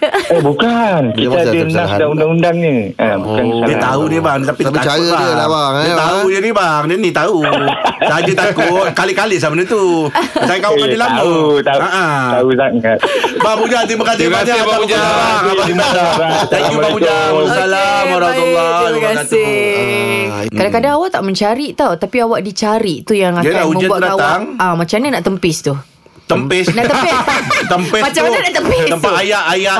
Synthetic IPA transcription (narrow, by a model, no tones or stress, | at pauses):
ebukankit̪adiənasdaŋundaŋundaŋni | abukanksadit̪aunibaŋnit̪apibat͡ʃajaəlabaŋt̪auɲənibaŋdinit̪ausaɦad͡ʒət̪akʊt̪̚kalikalis̬amənət̪uəsakauadilamət̪aaʔaautaŋat̪̚bapud͡ʒat̪ɾimãkasɪasaaud͡ʒaaaimaataɲubapud͡ʒaasalabaɾalːakasɪ | kadakadaŋawaʔt̪aʔmə̃ɲt͡ʃaɾiʔt̪awt̪apiawaʔdit͡ʃaɾiʔt̪ujaŋakauməmd͡ʒanbuaədaaw̪aaŋamãt͡ʃamɲanaʔt̪əmpɪst̪u | t̪əmpɪsnaʔt̪əpɪst̪əmpɪsmat͡ʃamunaʔt̪əmpɪtsəmpaajaʔaja